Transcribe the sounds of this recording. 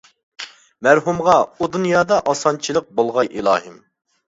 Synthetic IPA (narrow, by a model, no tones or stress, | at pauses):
mæɾɦumʁɑud̪unjɑːd̪ɑʔɑsɑnt͡ʃʰilˠəq̚bolˠʁɑjʔilˠɑ̰ːɦɨm